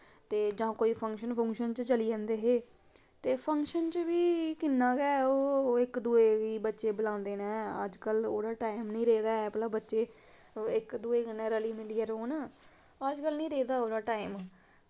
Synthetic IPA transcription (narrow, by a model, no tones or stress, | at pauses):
t̪eːd͡ʒãːkoːiːpʰə̃ŋkʃənpʰə̃ŋkʃənt͡ʃt͡ʃəliːɛ̃ːnd̪eːɦeː | t̪eːpʰəŋkʃənt͡ʃʋiːkɪnːãːɡɛːoːɪkd̪uːeːɡiːbətːʃeːbəlãːnd̪eːnɛ̃ːə̰d͡ʒkəlo̰ːɽaːʈaːimnĩːɾeːd̪aːɛplaːbətːʃeː | ɪkd̪uːeːkənːɛ̃ːɾəliːmɪliːɛːɾoːn | əd͡ʒkəlnĩːɾeːd̪aːoːɽaːʈaːim